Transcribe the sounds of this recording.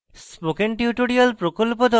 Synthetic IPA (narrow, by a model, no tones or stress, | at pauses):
spokeɳʈiuʈoɾialpɾokolpod̪ɔ